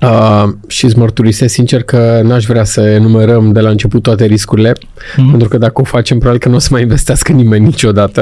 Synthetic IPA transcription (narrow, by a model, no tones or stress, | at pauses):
əʃizmərt̪uɾisesint͡ʃe̞rkənuaʃ̬ʲvɾeasəenume̞ɾəmd̪e̞laɨnt͡ʃe̞put̪ːoat̪e̞ɾiskuɾile̞ | pent̪ɾukəd̪akəo̞fat͡ʃe̞mpɾoaelkənuo̞səmajinve̞st̪easkənime̞nʲːit͡ʃʲo̞d̪at̪ə